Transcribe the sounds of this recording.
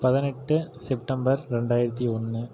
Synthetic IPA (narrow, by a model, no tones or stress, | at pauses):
pɐðɪnɛʈːɯsɛp̚ʈɐmbɐɾɾɛɳɖaːjɪɾɐt̪ːiɔnːɯ